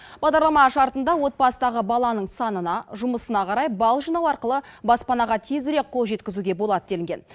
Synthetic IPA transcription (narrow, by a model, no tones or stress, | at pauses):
b̥ɑʁd̪ɑɾlˠɑmɑʃɑɾt̪ənd̪ɑwo̞t̪̚pɑst̪ɑʁəbɑlˠɑnəɴsɑnənɑʒʊməsənɑqʰɑɾɑjbɑlˠʒinɑwɑɾqəlˠəbɑspɑnɑʁɑt̪ʰe̞zɪɾe̞k̚qʰːo̞lˠʒe̞t̪kʲɪzuɡʲe̞bo̞lˠɑd̪əd̪e̞lɪŋɡʲen